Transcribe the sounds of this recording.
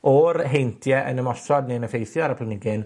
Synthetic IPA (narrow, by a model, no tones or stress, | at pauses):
ɔɾɦejntʰjɛʔənəmɔsɔdniənəfejθjɔaɾapʰlənɪɡɨn